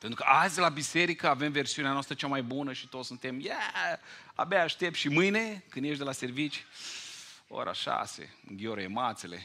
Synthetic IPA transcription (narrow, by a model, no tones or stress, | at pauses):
pent̪ɾukəʔazʲd̪elabise̞ɾikəave̞mve̞rsiuneanoast̪ɾət͡ʃamajbunəʃi̥t̪ot̪ssunt̪e̞mjæ | a̰baːʃt̪e̞p̚t̪ʃimɨjne̞kɨnd̪je̞ʃ̬d̪elase̞rvit͡ʃʲj | o̰ɾʔa̰ʃa̰sḛɨ̰ŋɡʲioɾemat̪sele̞̰